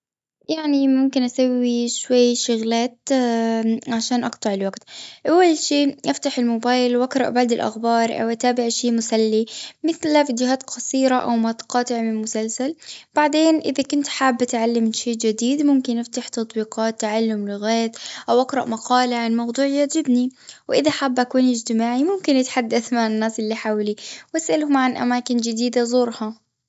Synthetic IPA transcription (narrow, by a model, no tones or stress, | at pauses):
jaʕnimʊmkɪnʔasawiʃwajːʃʊɣlaːt̪ | ʕaʃaːnʔɑqt̪ˤɑʕɪlwaɡt̪ʔawːalʃiːʔaft̪aħɪlmʊbaːjlwʔaqɾˤɑ̰ʔbaʕd̪ɪlʔa̰xbɑːɾˤʔa̰wʔat̪aːbɪʕʃeːmʊsalːimɪθlafid͡ʒɪɦaːt̪qɑsˤiːɾaʔa̰wmat̪qɑːt̪ˤɪʕmɪmʊsalsalb̥aʕd̪eːnʔɪðakʊnt̪ħaːbːʔat̪ʕalːamʃeːd͡ʒɪd̪iːd̪mʊmkɪnʔɪft̪aħt̪ɑt̪ˤbiːqɑːt̪ːaʕalːʊmlɪɣaːjt̪ʔawʔakɾˤɑʔmɑqɑːlaʕanmɑwd̪ˤuːʕɪjːaːd͡ʒɪb̪niwʔɪðaħaːbːʔakuːniɪd͡ʒt̪ɪmaːʕimʊmkɪnʔɪt̪ħad̪ːaθmaʕanːaːsʔɪlːiħaːwliwʔasʔalhʊmʕanʔa̰maːkɪnd͡ʒɪd̪iːd̪azˤuːɾˤhɑ